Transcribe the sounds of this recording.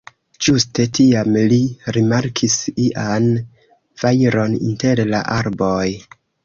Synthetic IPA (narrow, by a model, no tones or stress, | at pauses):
d͡ʒuste̞tiamliɾimaɾkʰisiʔan | v̥ajɾo̞nḭnte̞ɾla̰ʔaɾboj